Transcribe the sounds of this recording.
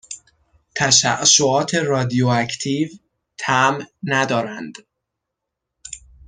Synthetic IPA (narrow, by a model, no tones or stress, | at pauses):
t̪ʰæʃæʔʃoɒːt̪ʰe̞ɾɒːd̪ijoæcʰt̪ʰiːv | t̪ʰæmnæd̪ɒːɾænd̪̥